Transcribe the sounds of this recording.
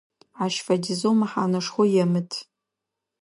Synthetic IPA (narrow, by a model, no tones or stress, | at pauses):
aʃfadʲizomaħanɨʂχʷojamɨtʰʼ